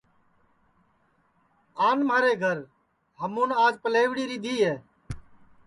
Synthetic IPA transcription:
aːnmaːɾeːɡʱəɾ | ɦəmũːnaːd͡ʒpəleːʋɽiːɾiːd̪iːɦeː

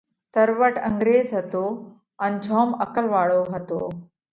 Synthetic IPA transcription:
t̪əɾʋəʈəŋɡɾeːzɦət̪o | anid͡ʑʱɔːməkəlʋaɭoɦət̪o̰

